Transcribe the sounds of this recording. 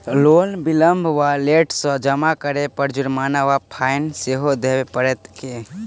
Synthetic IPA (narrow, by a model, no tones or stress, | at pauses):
lolbiləmbʱʋaleʈsɔ̃d͡ʒəmakəɾepəɾd͡ʒuɾmaːnaʋapʰaɪnseɦod̪ewepəɾɛt̪ke